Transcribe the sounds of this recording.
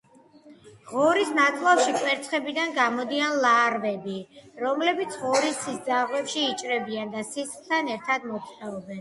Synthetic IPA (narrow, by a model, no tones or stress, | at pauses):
ʁɔɾisnat̪sʼlapʃikʼwɛɾt̪sʰχɛbid̪anɡamɔd̪ianlˠaɾvɛbiɾɔmlɛbit̪sʰʁɔɾisisd̪zaʁwɛpʃiːt͡ʃʼɾɛbiand̪asisχt̪ʰanɛɾt̪ʰad̪mɔt̪sʰʼχʼɛɔbɛn